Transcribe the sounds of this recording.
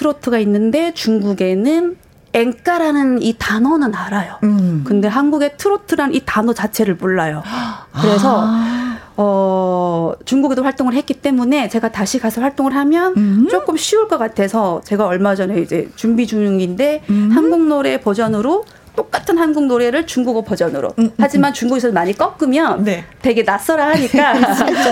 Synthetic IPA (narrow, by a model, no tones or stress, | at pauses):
tʰɯɾotʰɯɡainːɯnde̞t͡ɕuŋɡuɡe̞nɯn | e̞ŋk͈aɾanɯnitanʌnɯnaɾajokɯnde̞ɦanɡuɡe̞tʰɯɾotʰɯɾanitanʌt͡ɕat͡ɕʰe̞ɾɯɭpuɭːajokɯɾe̞sʰʌ | ʌ | t͡ɕuŋɡuɡedoɸwaɭt͈oŋɯɭɦet̚k͈it͈e̞mune̞t͡ɕe̞ɡataɕʰikasʰʌɭɸwaɭt͈oŋɯɭɦamjʌnt͡ɕ͈ok͈ɯmɕʰiuɭk͈ʌk͈atʰe̞sʰʌt͡ɕe̞ɡaʌɭmad͡ʑʌne̞id͡ʑe̞̰t͡ɕumbid͡ʑuŋŋinde̞hanɡuŋnoɾe̞ːpʌd͡ʑʌnɯɾo | t͈ok͈̚atʰɯnɦanɡuŋnoɾe̞ɾɯɭt͡ɕuŋɡuɡepʌd͡ʑʌnɯ̰ɾo̰had͡ʑimant͡ɕuŋɡuɡisʰʌdomaɲik͈ʌk͈ɯmjʌnte̞ɡe̞nas͈ʌɾahaɲik͈a